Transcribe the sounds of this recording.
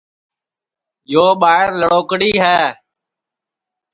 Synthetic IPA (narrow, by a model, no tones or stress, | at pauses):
joːɓaːɪɾləɽoːkɽiːɦɛː